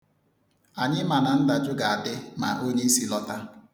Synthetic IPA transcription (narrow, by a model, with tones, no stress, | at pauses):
a˨ɲɪ˦ma˨na˨n̩˦da˨d͡ʒʊ˦ɡa˨a˨dɪ˦ma̰˨ʔo˦ɲe˦i˦si˦lɔ˦ta˦